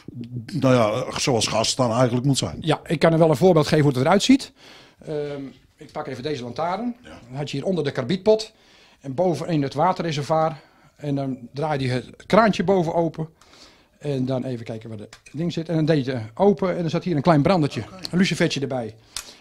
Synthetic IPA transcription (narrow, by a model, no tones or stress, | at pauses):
nojasowɑlˠsxastɔnɛjɣəntləkmutsɛ̰jnjaʔɪkːanəʋɛlˠənvoːbeɪlˠtχeːvənɦudətəɾœɥtsit | ə | ɪk̚pakeːvədeːzəlantaːɾənnɦatjəhiːɾʔondərdəkarbit̚pɔt | ɛnbowvənɪnətʋaːtərez̬ərvaːr | ɛndɔndraːjdiətkraːnt͡ʃjəboːwvəoːpə | ɛndɔneːvəkɛjkəʋɔdədɪŋsɪtɛndɔndejtəowpəɛndɔnsathiːəɾənklɛjnbrɑndət͡ʃjəənlysifɛtjədəbɛj